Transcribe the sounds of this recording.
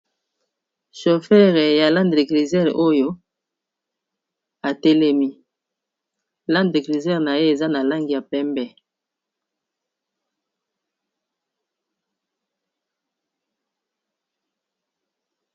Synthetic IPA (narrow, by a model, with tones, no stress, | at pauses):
ʃo˨fɛ˦ʁe˨ja˨lã˦nde˨kʁi˨zɛ˦ʁʔo˦jo˦ | a˨tɛ˦lɛ˦mi˦ | la˦ndde˨kʁi˨zɛ˦ʁna˨je˦e˨za˦na˨la˦ŋɡi˨ja˨pɛ˦mbɛ˦